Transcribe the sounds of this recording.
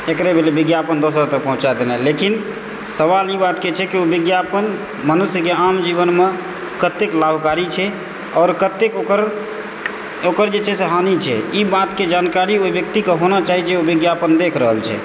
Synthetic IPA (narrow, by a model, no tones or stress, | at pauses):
ekɾebʱelebiɡjapənd̪osɾat̪ək̚pəɦũt͡ʃad̪enɛlekin | səβalibat̪ket͡ʃʰɛkiobiɡjapən | mənusjəkeamd͡ʒiβənme | kət̪eklabʱkaɾit͡ʃʰɛ | ɔːɾkət̪ːekokəɾ | okəɾd͡ʒet͡ʃʰɛseɦanit͡ʃʰɛ̰ibat̪ked͡ʒankaɾioibjək̚t̪ikeɦonat͡ʃaɦit͡ʃʰɛobiɡjapənd̪ekʰɾəɦəlt͡ʃʰɛ̰